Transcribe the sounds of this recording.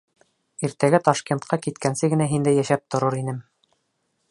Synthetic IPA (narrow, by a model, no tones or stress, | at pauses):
iɾt̪æɡæt̪ɑʃkent̪̚qʰɑkit̪kænsɘɡɘ̆næɦind̪æjæʃæp̚t̪ŏɾoɾinɘm